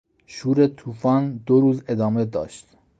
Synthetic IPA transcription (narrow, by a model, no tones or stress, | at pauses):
ʃuːɾet̪ʰuːfɒːnd̪oɾuːzed̪ɒːme̞d̪ɒ̰ːʃt̪